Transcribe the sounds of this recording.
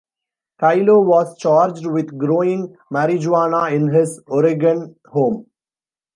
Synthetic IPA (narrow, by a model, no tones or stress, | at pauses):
kaɪloːʋɔːzt͡ʃaːɾd͡ʒɖʋɪd̪ɡɾoːɪ̃ŋ | mæɾɪd͡ʒʋaːnaɪ̃nɦɪzɔɾɪɡə̃n | hõːm